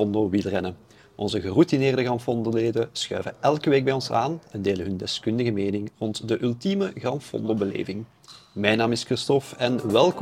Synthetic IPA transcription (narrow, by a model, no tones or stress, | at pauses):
ɔndoːʋilˠrɛnə | ʔɔnzəɣərutineːrdəɣrɑmfɔndoleːdəsxœ̰ɥvəʔɛlˠkəʋeːɡ̚bɛjɔnsa̰ːnɛndeːləɦɵndɛskɵndəɣəmeːnɪŋrɔntdəʔʏlˠtiməɣrɑmfɔ̰ndobəlḛːvɪŋ | mɛjnaːmɪskrɪstɔfɛnʋɛlˠk